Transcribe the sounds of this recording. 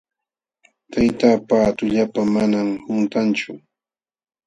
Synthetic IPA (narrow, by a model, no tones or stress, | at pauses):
t̪ʰajt̪aːpaːt̪ʊʎapamanamhʊnt̪ant͡ʃʊ